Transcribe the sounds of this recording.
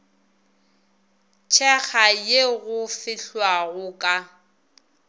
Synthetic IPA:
t͡ʃʰɛɣajeɣʊfɪɬwaɣʊkʼa

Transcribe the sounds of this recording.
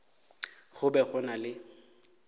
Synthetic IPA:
ɣʊbɛɣʊnalɪ

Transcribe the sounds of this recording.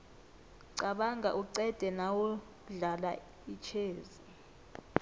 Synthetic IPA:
ǀaɓaŋɡʱa̰ʔuǀɛd̥ʱɛnawu | ɮala̰ | it͡ʃʰeːzi

